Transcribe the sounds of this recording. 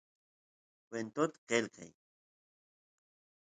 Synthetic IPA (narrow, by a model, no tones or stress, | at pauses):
kwent̪ot̪ḁqelqɑ̰j